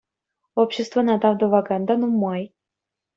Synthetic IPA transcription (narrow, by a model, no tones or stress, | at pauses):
opɕːest̪vənɑd̪ɑvd̪ovɑkɑnd̪ɑnumɑj